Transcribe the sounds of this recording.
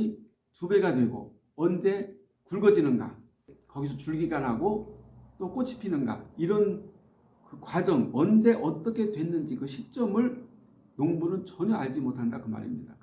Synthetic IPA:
i | tuɡe̞ɡadwe̞ɡo̰ | ʌnd͡ʑe̞ | kuɭɡʌd͡ʑinɯnɡa̰ | kʌɡisʰʌt͡ɕuɭɡiɡanɦaɡot͈ok͈ot͡ɕʰi̥pʰinɯnɡa̰iɾʌn | kɯkwad͡ʑʌŋʌnd͡ʑe̞ʔʌt͈ʌkʰe̞dwe̞nːɯnd͡ʑikɯɕʰit͡ɕ͈ʌmɯɭ | noŋbunɯnt͡ɕʌɲʌaɭd͡ʑimotʰandakɯma̰ɾḭmɲḭda

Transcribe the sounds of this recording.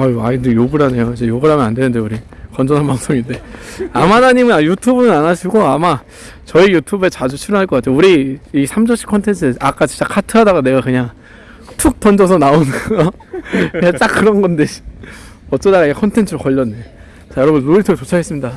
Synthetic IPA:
aaidjoɡɯɾɦane̞joid͡ʑe̞joɡɯɾɦamjʌnandwe̞nɯndeuɾi | kʌnd͡ʑʌnɦanpaŋs͈oŋinde̞amanaɲimɯnajutʰubunɯnanaɕʰiɡoama | t͡ɕʌijutʰube̞t͡ɕad͡ʑut͡ɕʰiɾʌnɦaɭkʌk͈atʰeeuɾiisʰamd͡ʑʌɕ͈ʰi̥p̚kʰʌntʰe̞ntʰɯak͈at͡ɕi̥t͡ɕ͈akʰatʰɯɦadaɡane̞ɡakɯɲaŋ | tʰuk̚t͈ʰʌnd͡ʑʌs̬ʰʌnaonɯnʌ | ɯɲat͡ɕ͈ak͈ːɯɾʌnɡʌndei̥ | ʌt͡ɕ͈ʌdaɣaekʰʌntʰe̞ntʰɯɾokʌʎːʌnːɯ | t͡ɕʰajʌɾʌbunɾoɾitʰoɡet͡ɕot͡ɕʰaɡe̞s͈ɯmɲida

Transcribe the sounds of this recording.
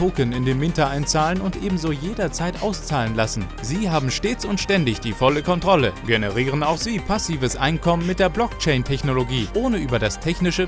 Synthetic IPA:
oːkənɪndeːmvɪntɐʔaɪnt͡saːlənʊntʔeːbm̩zojeːdɐt͡saɪtʔa̰ʊst͡saːlənlasn̩ | ziːɦaːbm̩ʃteːt͡sʊntʃtɛndɪçd̥iːfɔləkʰɔntʁ̥ɔləɡenəʁiːʁ̞ənaʊxz̥iːpʰasiːvəsʔa̰ɪnkʰɔmənmɪt̚d̥eːɐblɔkt͡ʃɛɪntʰɛçnoloɡiːʔoːnəʔyːbɐdastʰɛçnɪʃə

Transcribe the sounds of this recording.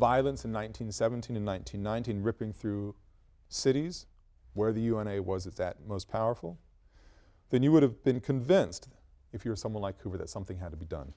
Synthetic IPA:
vaɪlˠə̃nsn̩ːãɪ̃ntʰĩnsɛvn̩tʰĩnɨ̃nːãɪ̃ntʰĩnːãɪ̃ntĩnɹɪpɪ̃ŋθɹʉ | sɪɾiz̥ | wə˞ðɨjʉɛ̃ɾ̃eɪwʌzɨðɨ̰t̚moʊspʰaʊə˞fl̩ˠ | ðɨ̃njɨwʊɾɨvbɨ̃nkʰɨ̃ɱvɪ̃nst | ɨfjɨwə˞sʌ̃mwʌ̃nlaɪkʰʉvə˞ðɨ̰tsʌ̃mθɪ̃ŋɦɨd̚tʰəbidʌ̰̃n

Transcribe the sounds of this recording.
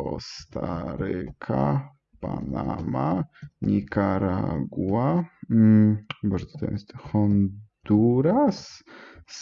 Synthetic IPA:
ɔst̪ʰaɾɛkʰa | panamaɲikaɾaɡua | baʐd̪t̪ɛ̰mɛst̪xɔnd̪uɾas

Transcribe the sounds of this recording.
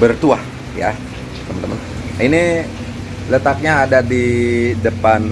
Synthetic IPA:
bərt̪uah | ja̰ | t̪əmənt̪ə̰mə̰n | ini | lət̪ak̚ɲaːdadidəpan

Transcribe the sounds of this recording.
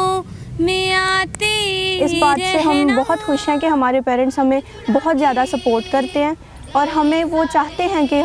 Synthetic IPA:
mẽaːt̪iɪsbaːt̪seɦɐmbɔɦʊt̪xʊʃɦɛ̃kiɦɐmaːɾepɛːɾə̃ɳʈsɦɐmẽ | bɔɦʊt̪zjaːd̪asɐpoːɾʈkɐɾt̪eɦɛ̃ː | ɔːɾɦɐmẽʋot͡ʃaːɦt̪eɦɛ̃ki

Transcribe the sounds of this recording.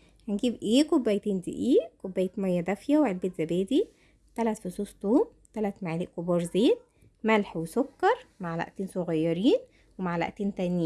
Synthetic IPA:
hænɡiːbʔeːkobːæːjt̪eːnd̪ḭʔiːʔkobːæːjet̪mæjːæd̪æfjæweʕelbet̪zæbæːd̪i | t̪ælæt̪fosuːst̪uːm | t̪ælæt̪maʕaliːʔkobɑːɾˤzeːt̪̚ | mælħwesokːɑɾˤmaʕlæ̰ʔt̪eːnsoɣæjːɑɾiːn | wemaʕlæ̰ʔt̪eːnt̪æniː

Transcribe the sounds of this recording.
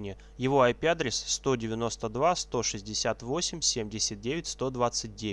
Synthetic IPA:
nʲɪjə | jɪvo̞ajpʲad̪ɾʲɪsːt̪o̞dʲɪvʲɪno̞st̪əd̪vast̪o̞ʂɨzʲdʲɪsʲat̪vo̞sʲɪmʲsʲemdʲɪsʲət̪̚dʲevʲɪtʲst̪o̞d̪vat̪sɨt̚ʲdʲe

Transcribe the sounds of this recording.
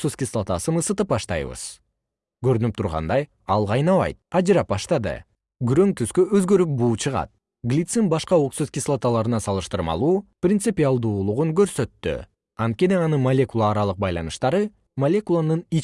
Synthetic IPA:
ksuskʲɪslˠat̪asɯnɯsɯt̪ɯp̚bɑʃt̪ɑ̰jβɯ̰z̥ | ɡøɾynyp̚t̪ʰuɾʁɑ̰nd̪ɑj | ɑlˠʁɑjnɑβɑ̰jt̪̚ɑd͡ʒɯɾɑpbɑʃt̪ɑd̪ɯ̰ | ɡyɾø̞ŋt̪yskøøzɡø̞ɾyp̚buːt͡ʃʰɯʁɑ̰t̪̚ | ɡlʲit̪simbɑʃqɑoksuskʲislˠat̪alˠɑɾɯnɑsɑlˠɯʃt̪ɯɾmɑ̰lˠuːprʲɪnt̪sɨpʲialˠd̪uːulˠuʁuŋɡøɾsø̞t̪ːy̰ | ɑnt̪̚kʲe̞niɑnɯnmalʲe̞kulˠaːɾɑlˠɯq̚bɑjlˠɑnɯʃt̪ɑɾɯ | malʲe̞kulˠanɯni

